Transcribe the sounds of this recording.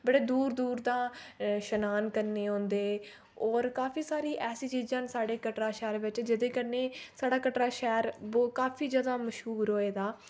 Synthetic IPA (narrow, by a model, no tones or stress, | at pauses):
bəɽeːd̪uːɾd̪uːɾd̪ãːʃənaːnkəɾneːɦõːnd̪eː | ɔːɾkaːfʰiːsaːɾiːʔɛːsiːt͡ʃiːd͡ʒãːnsaːɽeːkəʈɾaːʃɛːɾʋɪt͡ʃd͡ʒɪd̪eːkəɾneːsaːɽaːkəʈɾaːʃɛːɾboːkaːpʰiːd͡ʒjaːd̪aːməʃɦuːɾɦoːeːd̪aː